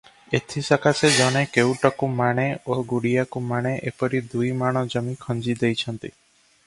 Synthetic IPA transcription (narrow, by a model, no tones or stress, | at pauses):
et̪ʰisakʰased͡ʒɔɽ̃ekewʈɔkumaɽ̃eoɡuɽijakumaɽ̃eʔepɔɾid̪ujmaɽ̃ɔd͡ʒɔmikʰɔnd͡ʒid̪ejt͡ʃʰɔnt̪i